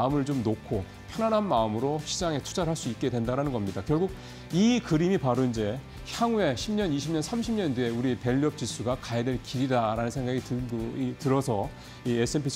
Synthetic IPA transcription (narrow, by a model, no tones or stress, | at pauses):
ɯmɯɭt͡ɕomnokʰo | pʰjʌnanɦanmaɯmɯɾoɕʰid͡ʑaŋe̞tʰu̥d͡ʑaɾɦaɭs͈uik̚k͈e̞dwendaɾanɯnɡʌmɲidakjʌɭɡuɡ̚ | ikɯɾimipaɾoind͡ʑe̞ | çjaŋe̞ɕʰimɲʌniɕʰimɲʌnsʰamɕʰimɲʌndeeuɾipe̞ʎːiʌp̚t͡ɕ͈is͈ʰuɡakaede̞ɭkiɾidaɾanɯnsʰe̞ŋɡaɡitɯitɯɾʌsʰʌ | iesʰɯempʰisʰ